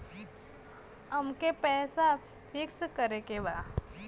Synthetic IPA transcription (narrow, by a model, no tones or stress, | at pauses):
əmkepɛːsa | fɪkskəɾekebaː